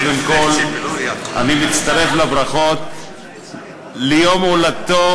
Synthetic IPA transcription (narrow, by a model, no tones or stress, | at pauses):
d̪emkol | a̰nimitt͡st̪aʁe̞flabɾaχot̪̚ | lejomolat̪o